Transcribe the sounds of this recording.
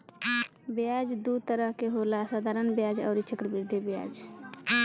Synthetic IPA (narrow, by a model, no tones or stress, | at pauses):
bjad͡ʒd̪ut̪əɾəɦkeɦolasad̪ʱaɾənbjad͡ʒɔ̰ːɾit͡ʃʰəkɾəbiɾd̪ebja̰d͡ʒ